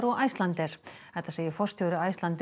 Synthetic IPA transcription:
ɾɔɣajst̪lant̪ɛɾ̥hɛht̪ːḁseːjɪfɔr̥st̪ʰjɔwɾʏajst̪lant̪

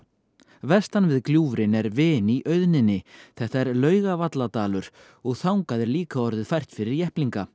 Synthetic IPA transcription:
vɛst̪anvɪðkljuːvɾɪnɛɾvɪːniʔœɥðnɪnːɪθɛht̪aɛɾlœːɥɣavat̪lat̪aːlʏɾ̥ | ɔɣθawŋkaðɛɾliːkaɔɾðɪðfajr̥t̪fɪɾɪɾjɛhpliŋka

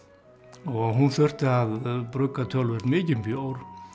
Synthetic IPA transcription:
ɔɣɦunθœr̥t̪ɪaðpɾœkːat̪ʰœlvɛɾ̥t̪mɪːcɪpjowɾ̥

